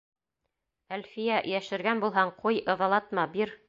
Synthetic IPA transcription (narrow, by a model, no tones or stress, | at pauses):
ælfijæjæʃɘ̆ɾɡænbulˠɦɑɴqʰujɤ̆ðɑlˠɑt̪mɑbiɾ